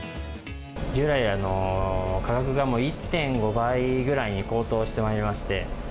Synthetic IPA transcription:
d͡ʑɯːɾaiano̞kaɡakɯ̟ɡamo̞ːit̪ːẽ̞ŋɡo̞baiɡɯ̟ɾaiɲ̟iko̞ːt̪o̞ːɕi̥t̪e̞maiɾʲimaɕi̥t̪e̞

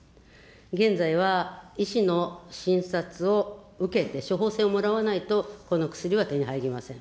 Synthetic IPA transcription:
ɡẽ̞nd͡zaiβ̞aiɕino̞ɕĩɰ̃sat͡sɨo̞ | ɯ̟ke̞t̪e̞ɕo̞ɦo̞ːse̞ːomo̞ɾaβanait̪o̞ko̞no̞kɯ̟̥sɨɾʲiβat̪e̞ɲ̟iɦaiɡʲimasẽ̞ŋ

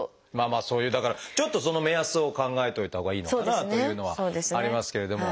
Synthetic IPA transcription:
maːmaːso̞ːjɯ̟ːd̪akaɾat͡ɕo̞t̪ːo̞so̞no̞me̞asɨo̞kãŋɡae̞t̪o̞it̪aɦho̞ːɡaiːnookːad̪natno̞jɯ̟ːno̞βa̰soːd̪esaɾʲimasɨ̥ke̞ɾe̞d̪o̞mo̞

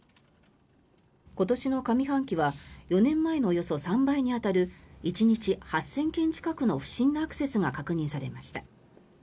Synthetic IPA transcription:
ko̞t̪o̞ɕino̞kamʲiɦãŋkʲiβajo̞nẽ̞mːae̞noːjo̞so̞sãmbaiɲ̟iat̪aɾɯ̟it͡ɕiɲ̟it͡ɕihasːẽ̞ŋkẽ̞ɲ̟t͡ɕi̥kakɯ̟no̞ɸɯ̟̥ɕĩnːoakɯ̥se̞sɨŋakakɯ̟ɲ̟ĩɰ̃saɾe̞̰maɕi̥t̪ḁ

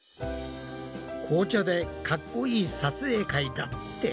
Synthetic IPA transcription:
kʰo̞ːt͡ɕo̞d̪e̞kakːo̞iːsat͡sɨe̞ːkaid̪at̪ːe

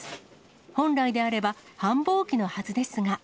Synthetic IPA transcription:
hõ̞nɾaid̪e̞aɾe̞bahãmbo̞ːkʲino̞hazɨd̪e̞sɨŋa

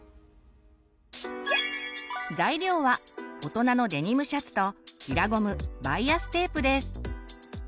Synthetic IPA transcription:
zaiɾʲo̞ːβao̞t̪o̞nano̞d̪e̞ɲ̟imɯ̟ɕat͡sɨ̥t̪o̞iɾaɡo̞mɯ̟baiasɨ̥t̪e̞ːpːɯ̟d̪e̞sɨ̥

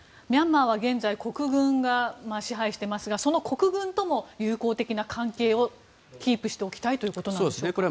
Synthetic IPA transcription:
mʲãmːaːβ̞aɡẽ̞nd͡zaiko̞kɯ̟ɡɯ̟̃ŋɡamaɕiɦaiɕi̥t̪e̞masɨɡaso̞no̞ko̞kɯ̟ɡɯ̟̃nt̪o̞mo̞jɯːko̞ːt̪e̞kʲinakʰãŋke̞ːo̞ | kʲiːpɯ̟ɕi̥t̪e̞o̞kʲi̥t̪ait̪o̞jɯ̟ko̞t̪onand̪sjekɾe

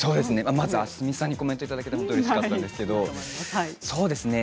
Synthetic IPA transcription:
so̞ːd̪e̞sɨne̞mamazɨasɨmʲisãɲ̟ːiko̞mẽnt̪oit̪ad̪ake̞t̪aɦot̪oɾiskkat̪ːand̪esɨ̥ke̞d̪o̞ | so̞ːd̪e̞sɨne̞

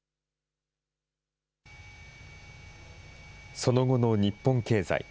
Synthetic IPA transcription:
so̞no̞ɡo̞no̞ɲ̟ipːõ̞ŋke̞ːza̰ḭ

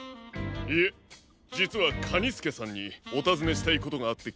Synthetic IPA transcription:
ie | d͡ʑit͡sɨβakʰaɲ̟isɨ̥ke̞sãɲ̟ːio̞t̪azɨme̞ɕi̥t̪aiko̞t̪o̞ɡaːt̪ːe̞

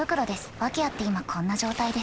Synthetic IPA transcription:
ɯ̟kɯ̟ɾo̞d̪e̞sɨ̥βakʲeiat̪ːe̞imakʰõ̞nːaʑo̞ːt̪aid̪es

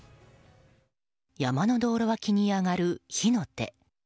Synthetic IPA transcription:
jamano̞d̪o̞ːɾo̞βakʲiɲ̟iaŋaɾɯ̟çino̞t̪ːe̞̰

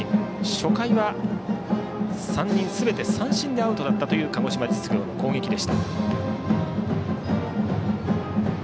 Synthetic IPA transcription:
ɕo̞kaiβa | sãɲ̟ːĩɰ̃sɨbe̞t̪e̞sãɰ̃ɕĩnd̪e̞aɯ̟t̪o̞d̪at̪ːat̪o̞jɯ̟ːkaŋo̞ɕimad͡ʑit͡sɨ̥kʲɯako̞ːŋe̞kʲid̪e̞ɕi̥t̪a

